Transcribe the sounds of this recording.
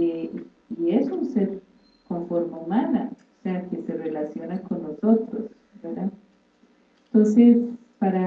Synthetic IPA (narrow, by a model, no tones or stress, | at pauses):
e | ie̞sunseɾ | koɱfo̞ɾmeumanaose̞ake̞se̞re̞lasjo̞nako̞nːo̞so̞t̪ɾos | beɾða | ent̪o̞nse̞spaɾa